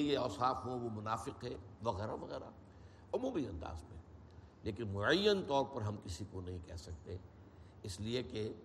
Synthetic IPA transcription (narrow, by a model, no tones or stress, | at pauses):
jeɔːsaːfɦõʋomʊnaːfɪqɦɛʋɐɣɛːɾaʋɐɣɛːɾa̰ | ʊmũːbiɐ̃nd̪a̰ːzmḛ̃ | leːkɪnmʊʕəjːənt̪ɔːɾpɐɾɦɐmkɪsikonɐɦĩkɛɦsɐk̚t̪e | ɪslieke